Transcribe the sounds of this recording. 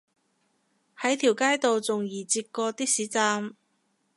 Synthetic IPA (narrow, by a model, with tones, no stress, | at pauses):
hɐ˨˥jt̪ʰiː˨˩wkaː˥jt̪o˨wt͡sʊ˨ŋjiː˨˩t͡siː˧t̚kɔː˧t̪iː˥k̚siː˨˥t͡saː˧m